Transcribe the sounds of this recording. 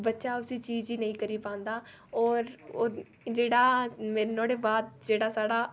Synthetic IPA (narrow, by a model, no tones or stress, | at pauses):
bətːʃaːʊsiːt͡ʃiːd͡ʒiːnəĩːkəɾiːpãːnd̪aː | ɔːɾː | d͡ʒeːɽaːmeːɾnoːɽeːbaːd̪̚d͡ʒeːɽaːsaːɽaː